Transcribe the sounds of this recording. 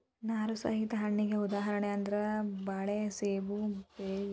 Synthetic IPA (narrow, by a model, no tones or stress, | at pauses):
naːɾusɐ̰ɦit̪ɐɦɐɳːiɡeud̪aːɦɐɾɐɳeɐnd̪ɐɾɐbaːɭeseːbupeː